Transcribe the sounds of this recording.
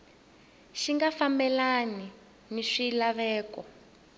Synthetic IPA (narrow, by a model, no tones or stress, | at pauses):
ʃiŋɡafambɛlani | niʂilaβɛːkɔ